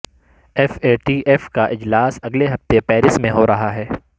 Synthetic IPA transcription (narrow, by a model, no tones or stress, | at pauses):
ɛfeːʈiːʔɛfkaʔɪd͡ʒlaːsɐɡleɦɐft̪epɛːɾɪsmẽɦoːɾɐɦaɦɛː